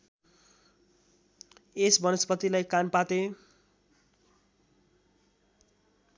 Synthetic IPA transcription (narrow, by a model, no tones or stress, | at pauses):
esbʌnʌspʌt̪ilajkanpat̪e